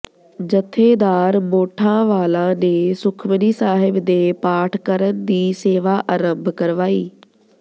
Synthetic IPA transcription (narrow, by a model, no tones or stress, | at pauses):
d͡ʒət̪ʰːeːd̪aːɾmoːʈʰãːʋaːlãːneːsʊkʰməniːsaːɦɪbd̪eːpaːʈʰkəɾənd̪iːseːʋaːʔaɾəmbʱkəɾʋaːiː